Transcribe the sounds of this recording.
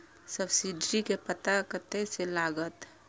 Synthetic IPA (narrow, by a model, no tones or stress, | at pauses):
səbsiɖɾikepət̪akət̪eselaːɡət̪